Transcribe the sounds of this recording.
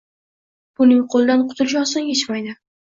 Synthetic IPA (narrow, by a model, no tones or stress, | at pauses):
b̥ʊnɪŋqʰolˠd̪anqʰʊ̥t̪ʰʊlˠɪʃ̬ɒsɪnjet͡ʃmajd̪ɪ